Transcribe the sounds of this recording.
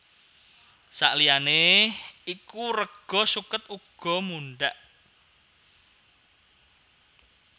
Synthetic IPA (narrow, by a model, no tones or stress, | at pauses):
sa̰ʔliane | ikurəɡ̥ɔ̤sukət̪uɡ̥ɔ̤muɳɖaʔ